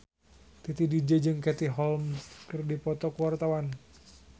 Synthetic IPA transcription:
t̪it̪idid͡ʒəd͡ʒɨŋkɛt̪iɦɔlmskɨrdipɔt̪ɔkuwart̪awan

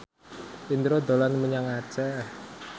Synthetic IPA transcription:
ind̪ɾod̪o̤lanməɲaŋat͡ʃɛ

